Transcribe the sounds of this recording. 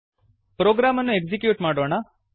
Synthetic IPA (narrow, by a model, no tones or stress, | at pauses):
pɾoɡɾamənũekzikjuːʈmaɽona